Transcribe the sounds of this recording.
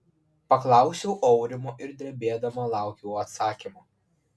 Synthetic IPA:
pɐklˠɑˑʊsʲɛʊʔɔʊɾʲɪmoːʔɪɾd̪ʲɾʲɛbʲeːd̪ɐmɐlˠɑˑʊkʲɛʊɐt̪sɑːkʲimoː

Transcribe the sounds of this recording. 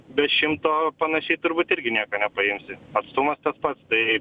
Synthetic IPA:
bʲɛt̪ʃʲɪmt̪oːpɐnɐʃʲɛɪt̪ʊɾbuːt̪ɪɾʲɡʲɪnʲiɛkoːnʲɛpɐɪmʲsʲɪɐt̪st̪ʊmɐst̪ɐspɐt̪st̪ɐɪ

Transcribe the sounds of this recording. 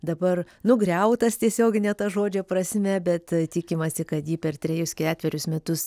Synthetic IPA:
d̪ɐbɐr | nʊɡɾʲɛʊt̪ɐst̪ʲiɛsʲoːɡʲɪnʲɛːt̪ɐʒoːd͡ʒʲɛpɾɐsʲmʲɛbʲɛt̪t̪ʲikʲɪmɐsʲɪkɐt̪jiːpʲɛrt̪ʲɾʲɛjʊskʲæːt̪ʲʋʲɛɾʲʊsmʲɛt̪ʊs

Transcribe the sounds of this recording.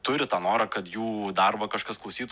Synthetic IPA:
t̪ʊɾʲɪt̪ɑːnoːɾɐkɐt̪juːd̪ɐrbɐkɐʃkɐsklˠɔʊsʲiːt̪

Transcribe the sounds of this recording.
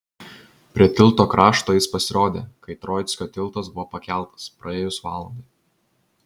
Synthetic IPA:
pʲɾʲiɛt̪ʲɪlˠt̪oːkɾʔɑːʃt̪oːjɪspɐsʲɪɾoːd̪ʲḛːkɐɪt̪ɾɔːjt̪sʲkʲoːt̪ʲɪlˠt̪ɐsbʊʋoːpɐkʲɛˑlˠt̪ɐ̥spɾɐeːjʊsʋɑːlˠɐnd̪ɐɪ

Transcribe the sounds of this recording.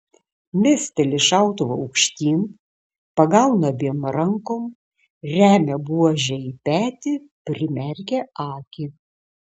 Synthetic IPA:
mʲæsʲt̪ʲɛlʲɪʃɑˑʊt̪oʋoʊkʃʲt̪ʲiːn | pɐɡɐlʊnobʲiɛnɾɐŋkoːm | ɾʲæːmʲɛbuɔʒʲɛipʲæːt̪ʲɪ | pʲɾʲɪmʲɛɾʲɡʲɛɑːkʲi

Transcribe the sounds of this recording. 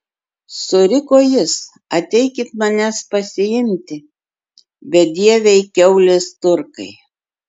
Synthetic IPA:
sʊɾʲɪkoːjɪs | ɐt̪ʲɛɪkʲɪt̪mɐnʲɛspɐsʲɪjɪnʲt̪ʲɪ | bʲɛt̪̚d̪ʲiɛʋʲɛɪkʲɛʊlʲɪst̪ʊɾkɐɪ

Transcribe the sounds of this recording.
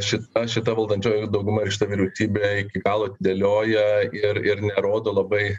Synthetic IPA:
ʃʲɪt̪ɐʃʲɪt̪ɐʋɐlˠd̪ɐnʲt͡ʃʲoːjd̪ɐʊɡʊmɐɾkʃʲɪt̪ɐʋʲiːɾʲɛʊsʲiːbʲeːɪkʲɪɡɑːlˠoːɐt̪ʲɪd̪ʲelʲoːjɛɪɾɪɾnʲɛɾoːd̪oːlˠɐbɐɪ

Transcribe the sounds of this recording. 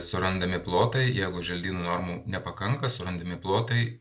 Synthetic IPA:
sʊɾɐnd̪ɐmʲɪplˠoːt̪ɐɪjæɪɡʊʒʲɛlʲd̪ʲiːnuːnɔɾmuːnʲɛpɐkɐŋkɐsʊɾɐnd̪ɐmʲɪplˠoːt̪ɐɪ

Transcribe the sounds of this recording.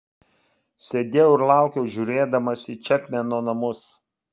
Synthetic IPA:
sʲeːd̪ʲeːjoʊɪɾlˠɑˑʊkʲɛʊʒʲuːɾʲeːd̪ɐmɐsʲɪt͡ʃʲɛp̪ʲmʲɛnoːnɐmʊs

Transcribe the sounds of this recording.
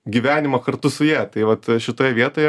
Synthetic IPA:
ɡʲiʋʲæːnʲɪmɐkɐrt̪ʊsʊjɛːt̪ɐɪʋɐt̪ʃʲɪt̪oːjɛʋʲiɛt̪oːjɛ

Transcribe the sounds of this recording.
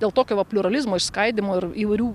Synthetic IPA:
d̪ʲeːlˠt̪oːkʲoːʋɐpʲlʲʊɾɐlʲɪzmoːɪʃskɐɪd̪ʲɪmoːɪɾiːʋɐɪɾʲuː

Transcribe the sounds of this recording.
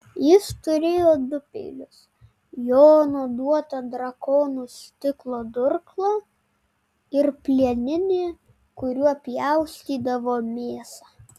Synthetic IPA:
jɪst̪ʊɾʲeːjoːd̪ʊpʲḛːlʲʊs | joːnoːd̪uɔt̪ɐd̪ɾɐkoːnuːsʲt̪ʲɪklˠoːd̪ʊɾklˠoː | ɪɾpʲlʲiɛnʲɪnʲeː | kʊɾʲuɔɐpʲjɛʊsʲt̪ʲiːd̪ɐʋoːmʲeːsɑː

